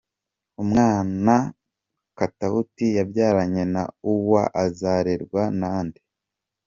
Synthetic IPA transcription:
umŋaːna | katahutijabjaːɾaɲena̰uwa̰ʔazaːɾeɾɡwanaːndi

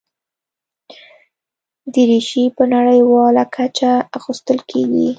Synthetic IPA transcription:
d̪əɾiʃipənaɽəjwɑlakʰat͡ʃaaxust̪əlkʰeɡḭ

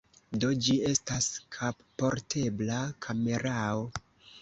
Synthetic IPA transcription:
do̞d͡ʒie̞staskʰappo̞ɾtʰe̞blakʰame̞ɾao

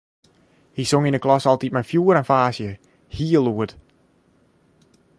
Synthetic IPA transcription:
hisʊŋɪ̃nəkʰlɔsalˠtip̚mafjuːɾə̃nfaːsjə | hiːəlˠuəd̥

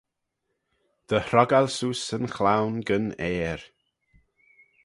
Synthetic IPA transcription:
d̪̥əhɾɔɡalsusənxlawnɡənɛːɹ

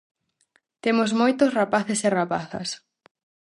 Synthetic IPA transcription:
t̪emozmojt̪osrapaθesɪrapaθɐ̰s

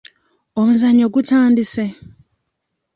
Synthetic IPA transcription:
omuzaɲːoɡutaːndise

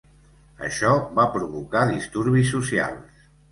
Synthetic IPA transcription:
ə̰ʃɔβapɾuβukaðist̪uɾβisːusia̰lˠs

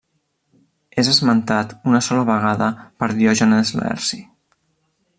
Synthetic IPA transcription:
ezəzmənt̪at̪unəsɔləβəɣaðəpəɾðjoʒənəzlɛ̰ɾsi

